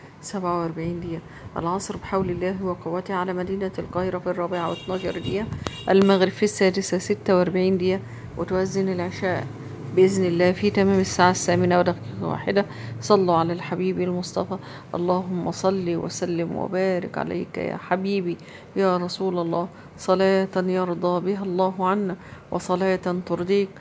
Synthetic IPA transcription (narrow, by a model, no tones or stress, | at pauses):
sæbʕawʔɑɾˤbaʕiːnd̪ɪjæ | ʔæ̰lʕɑsˤɾbɪħawlɪlːæːɦwæqɑwæt̪iʕalæːmæd̪iːnælqɑːheɾɑfirˤːɑːbeʕawḛt̪nɑːʃɑɾˤd̪ɪjæʔælmæɣɾɪb̥fisːæːd̪ɪsæsɪt̪ːæwʔɑɾˤbaʕiːnd̪ejæ | wʔɪt̪ʔæzːɪnɪlʕeʃæːʔ | bɪʔɪznɪlːæːfiːt̪æmæːmɪsːaːʕasːæːmɪnæwd̪æxkiːqwa̰ːħed̪æ | sˤɑlːuʕalæːlħabiːbialmosˤt̪ˤɑfɑ | ʔɑ̰lˤːɑːɦʊmːæsˤɑlːiːwæ̰sælːɪmwḛbæːɾɪ̰kʕa̰lḛjkjæ̰ːħabiːbi | jæːɾˤɑsˤuːlɑlˤːɑː | sˤɑlæːt̪jɑɾˤd̪ˤɑːbɪɦælˤːɑːɦʕanːæwʔɑsˤɑlæːt̪t̪ɑɾd̪ˤiːk̚